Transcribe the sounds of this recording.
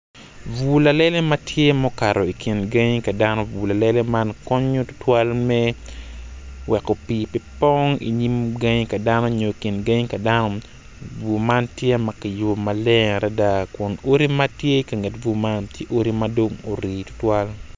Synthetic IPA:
vu˨la˨le˦le˦matʰje˦mɔ˦ka˨ɾo˨i˨kʰi˨nɡe˦ɲka˨da˦no˦vu˨la˨le˦le˦ma˦nkɔ˦ɲo˦tʊ̥˦twa˦lmɛ˦ | wɛ˨ko˨pi˨pipɔŋḭ˨ɲi˦mɡa˦ɲka˨da˦no˦ɲo˨i˨ki˨nɡa˦ɲka˨da˦no˦ | vu˨ma˦ntje˦ma˨ki˨jo˨ma˨le˦ŋ˨ɾʔɛ˦da˦kʊ˨no˦ɾi˦matje˦ka˨ŋɛ˨tvu˦ma˦ntje˦ʔo˦ɾi˦mado˦ŋo˨ɾiː˨tʊ̥˦twa˦l

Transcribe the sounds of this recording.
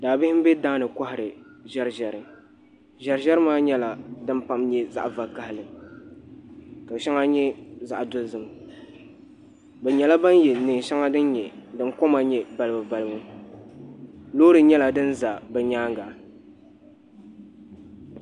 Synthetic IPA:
daː˨bɪ˦hɪ˦m̩˦bɛ˦daː˦nɨ˨ka˦hɪ˨ɾɨ˨ʒɛ˦ɾʒɛ˨ɾɨ˨ | ʒɛ˨ɾʒɛ˦ɾɨ˦maː˦ɲɛ˦la˨dɨ˦m˦pa˨mɲɛ˦za̰˦ʔva˨ka˨hɪ˨lɨ˨ | ka˨ʃɛ˦ŋa˦ɲɛ˦za˨ʔdʊ˦lzɨ˨m | bɛ˨ɲɛ˨la˦ba˦n˦jɛ˨nɨ˨ŋ˨ʃa˦ŋa˦dɨ˦n˦ɲɛ˨dɨ˨nko˦ma˨ɲɛ˨ba˨lɨ˨bɨ˨ba˨lɨ˨bɨ˦ | loː˦ɾɨ˨ɲɛ˦la˨dɨ˦n˦za˨bɛ˨ɲaː˦ŋɡa˨

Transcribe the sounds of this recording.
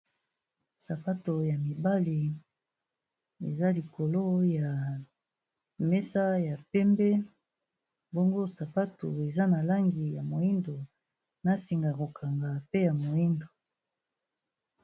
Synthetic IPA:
sa˨pa˦to˨ja˨mi˨ba˦li˨ | ḛ˨za˦li˨ko˨lo˦ja˨ | mɛ˦sa˦ja˨pɛ˦mbɛ˦ | bo˦ŋɡo˦sa˨pa˦to˨e˨za˦na˨la˦ŋɡi˨ja˨mo˨i˦ndo˨ | na˦si˨ŋɡa˨ko˨kʰa˨ŋɡa˨pe˦ja˨mo˨i˦ndo˨

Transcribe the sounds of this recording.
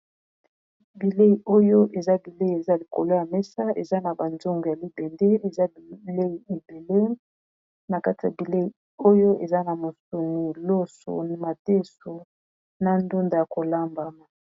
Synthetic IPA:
bi˨le˦i˨ʔo˦jo˦ʔe˨za˦bi˨le˦i˨e˨za˦li˨ko̰˨lo˦ja˨mɛ˦sa˦ḛ˨za˦na˨ba˨nzo˦ŋɡo˨ja˨li˦bɛ˨ndɛ˦e˨za˦ble˦i˨e˨be˨le˦ | na˨ka˦ti˨a˨bi˨le˦i˨ | o˦jo˦e˨za˦na˨mo˨so˨ni˨lo˦so̰˨ma˨te˦so˨ | na˦ndu˦nda˨ja˨ko˨la˦mba˨ma˨

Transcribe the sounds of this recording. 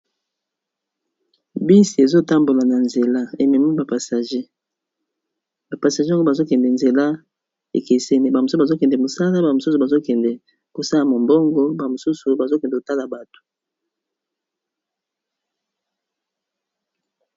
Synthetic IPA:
bi˦si˨e˨zo˦ta˦mbo˨la˨na˨nze˨la˦e˨mi˨mi˦ba˨pa˨sa˨ʒe˦ | ba˨pa˨sa˨ʒe˦a˦ŋɡo˦a˨zo˦kɛ˨ndɛ˨nze˨la˦ | ḛ˨ke˨sɛ˦ni˦ba˨mo˨su˦˨a˨zo˦kɛ˨ndɛ˨mo˨sa˦la˦ba˨mo˨su˦su˨ba˨zo˦kɛ˨ndɛ˨ | ko˨sa˦la˨mo˨mbo˦ŋɡɔ˦ba˨mo˨su˦su˨ba˨zo˦kɛ˨ndɛ˨ko˨ta˦la˨ba˨to̥˨

